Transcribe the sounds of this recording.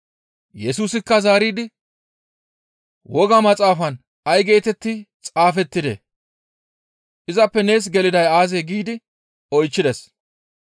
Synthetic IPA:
jɛsuːsɪkːɐzaːɾiːd̪ɪ | wɔɡɐmɐt͡sʼaːfɐn | ɐjɡe̞ːt̪ɛt̪ːɪt͡sʼaːfɛt̪ːɪd̪ḛ | ʔɪzɐpːɛne̞ːs̬ɡɛlɪd̪ɐjaːzeɡiːd̪ɪ | ɔjt͡ʃːɪd̪ɛs

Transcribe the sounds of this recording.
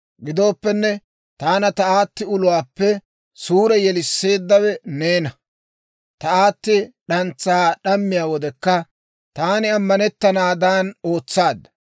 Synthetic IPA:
ɡɪd̪o̞ːpːɛnːɛ | t̪aːnɐt̪ɐaːt̪ːɪʊlʊwaːpːɛ | suːɾɛjɛlɪsːe̞ːd̪ːɐwɛne̞ːnɐ | t̪ɐaːt̪ːɪɗɐnt͡sːaːɗɐmːɪjaːwɔd̪ɛkːɐ | t̪aːnɪɐmːɐnɛt̪ːɐnaːd̪aːno̞ːt͡sːaːd̪ːɐ

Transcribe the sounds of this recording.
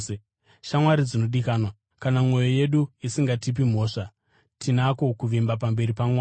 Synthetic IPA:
ʃamwaɾid͡zino̞ɗikaːnwa | kanamwo̞joje̞ɗuisiŋɡatip̬im̤o̞ːʂa | tʰinako̞kuʋimbap̬ambe̞ɾipamwaː

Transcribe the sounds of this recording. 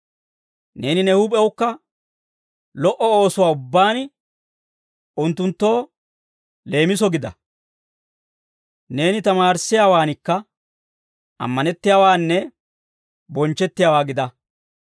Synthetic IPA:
ne̞ːnɪnɛhʊpʼɛwʊkːɐ | lɔʔɔo̞ːsʊwaːʊbːaːn | ʔʊnt̪ːʊnt̪ːo̞ː | le̞ːmɪsɔɡɪd̪ɐ | ne̞ːnɪt̪ɐmaːɾsːɪjaːwaːnɪkːɐ | ʔɐ̰mːɐnɛt̪ːɪjaːwaːnːɛ | bɔnt͡ʃːɛt̪ːɪjaːwaːɡɪd̪ɐ

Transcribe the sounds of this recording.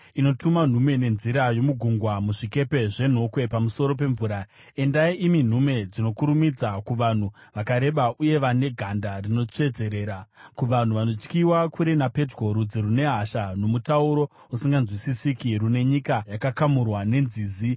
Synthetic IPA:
ino̞tuman̤umwe̞ne̞nziɾajo̞muɡʱuŋɡwamuʐike̞pe̞ʐe̞n̤o̞kwe̞pamuso̞ɾo̞p̬e̞ɱvuːɾa | e̞ndaiʔimin̤ume̞d͡zino̞kuɾumid͡zakuʋan̤uʋakaɾe̞ɓaʔuje̞ʋane̞ɡʱandarino̞t͡ʂe̞d͡ze̞ɾe̞ːɾakuʋan̤uʋano̞t͡ʃkiwakʰuɾenape̞d͡ʒɡo̞ɾud͡ziɾune̞ɦaʃano̞mutauɾo̞ | usiŋɡanzwisisikirune̞ɲikajakakamurwane̞nziːzi

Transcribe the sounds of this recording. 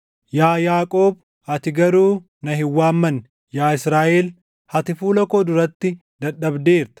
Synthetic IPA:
jaːjaːkʼoːb̚ | hɐt̪ɪɡɐɾuː | nɐɦɪwːaːmːɐn | jaːɪsɾaːʔeːl | hɐt̪ɪfuːlɐkoːd̪ʊɾɐt̪ːɪ | d̪ɐɗːɐbd̪eːɾt̪ɐ̥

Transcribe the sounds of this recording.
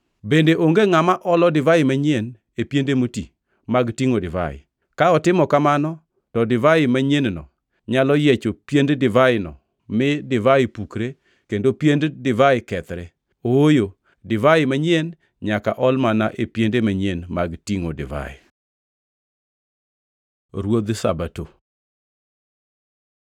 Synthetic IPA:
bendeʔoŋɡeŋamaʔɔlɔdɪvaɪmaɲen | epjendemoti | maɡtiŋodɪva̰ɪ̰ | kaɔtɪmɔkamanɔ | tɔdɪvaɪmaɲennɔ̰ | ɲalɔjet͡ʃopjenddɪvaɪnɔ̰ | mɪdɪvaɪpukɾe | kendopjenddɪvaɪkɛt̪ɾɛ | oojo | dɪvaɪmaɲen | ɲakaʔɔlmanaʔepjendemaɲenmaɡtiŋodɪ̰va̰ɪ̰ | ɾwod̪sa̰bato

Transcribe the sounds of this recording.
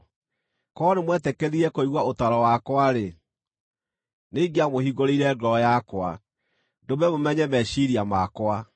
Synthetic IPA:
kɔnemwɛtɛkɛðiɾɛkoiɣwaotaɾɔwakwaɾe | neɡiamohiɡoɾeiɾɛɡɾɔjakwa | doβɛmomɛɲɛmɛɕiɾiamakwa

